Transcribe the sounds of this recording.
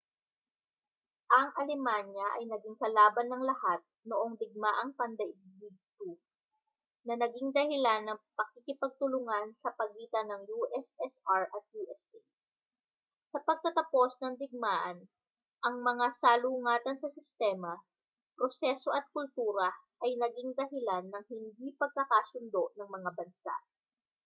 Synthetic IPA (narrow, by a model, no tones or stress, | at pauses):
ʔɐŋʔɐlɛmanjɐʔɐjnɐɡɪŋkɐlaːbɐnːɐŋlɐhat̪̚noʔo̞ŋd̪ɪɡ̚maʔɐŋpɐnd̪ɐɪɡbiɡ̚t̪u | nɐnɐɡiŋd̪ɐhɪlanːɐŋpɐkikɪpɐɡ̚t̪ʊlʊŋansɐpɐɡiːt̪ɐnɐŋjuʔɛsɛsaɹʔɐt̪̚juʔɛst̪i | sɐpɐɡ̚k̪ɐt̪ɐpo̞snɐŋd̪ɪɡ̚maːʔɐn | ʔɐŋmɐŋasaːlʊŋaːt̪ɐnsɐsɪst̪ɛːmɐ | pɾosɛso̞ʔɐt̪̚kʊlt̪uːɾɐʔɐjnɐɡiŋd̪ɐɦɪlanːɐŋhɪnd̪ipɐɡ̚kɐkasʊnd̪o̞ʔnɐŋmɐŋabɐnsa̰ʔ